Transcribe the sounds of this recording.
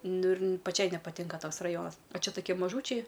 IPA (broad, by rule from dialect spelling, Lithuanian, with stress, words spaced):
ˈnʊ ɪr pɐˈt͡ʃʲɛɪ nʲɛpɐˈtʲɪŋkɐ ˈtoːks rɐˈjoːnɐs oː ˈt͡ʃʲɛ toːˈkʲiɛ mɐˈʒuːt͡ʃʲɛɪ